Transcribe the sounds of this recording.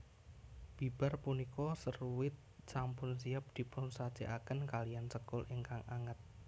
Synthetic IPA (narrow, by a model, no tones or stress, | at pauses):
b̥i̤b̥arpunikɔsəruwɪt̪̚sampʊns̬iap̚d̪̥i̤pʊnsat͡ʃeʔakənkaliansəkʊlɪŋkaŋaŋət̪̚